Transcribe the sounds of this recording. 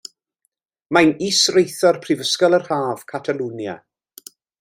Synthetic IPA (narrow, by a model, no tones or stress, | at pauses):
majniːsrejθɔrpʰrɪvəskɔlˠərhaːv̥kʰatʰalˠunja̰